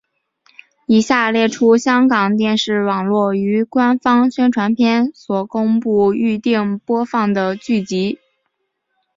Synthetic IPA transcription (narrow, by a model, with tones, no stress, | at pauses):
i˨˩ɕja˥˩˧ljɛ˥˩ʈ͡ʂʰu˥ɕjɑ˥ŋkɑ˨˩ŋt̪jɛ˥˧nʂɻ̩˥˩wɑ˨˩ŋlwɔ˥˩y˧˥kwa˥nfɑ˥ŋɕɥɛ˥nʈ͡ʂʰwa˧˥npʰjɛ˥˩nswɔ˨˩kʊ˥ŋpu˥˧y˥˧t̪i˥˩ŋpwɔ˥fɑ˥˩ŋd̪ə˩t͡ɕy˥˩t͡ɕi˧˥